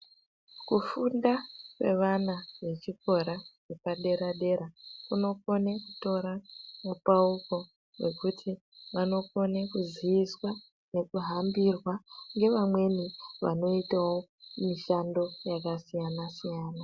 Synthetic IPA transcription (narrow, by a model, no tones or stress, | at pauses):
kufundase̞ʋanaʋe̞t͡ʃiko̞ɾawepaɗe̞ɾaɗe̞ɾakuno̞ko̞neku̥to̞ɾamupauko̞ | we̞kutʰi | ʋano̞ko̞nekuziʋiswa | ne̞kuɦambirwaŋɡe̞ʋamwe̞niʋa̰no̞itawo̞miʃando̞jakasijanasijaːna